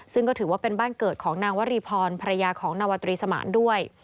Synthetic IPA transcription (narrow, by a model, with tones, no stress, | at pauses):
sɯ˥˩ŋkɔː˥˩ɯː˩˦waː˥˩pe˧nbaː˥˩nkɤː˨˩t̪̚kʰɔː˩˦ŋnaː˧ŋwa˦˥ɾiː˧pʰɔː˧npʰa˧ɾa˧jaː˧kʰɔː˩˦ŋnaː˧wa˧t̪ɾiː˧sa˧ma̰ː˩˦ndu˥˩əj